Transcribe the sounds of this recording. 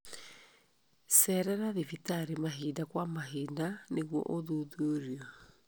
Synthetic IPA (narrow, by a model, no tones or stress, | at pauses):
sɛɾɛɾaðevitaɾemaɦiːndakwamaɦiːndaneɣwɔ̰ʔoðuðoɾiɔ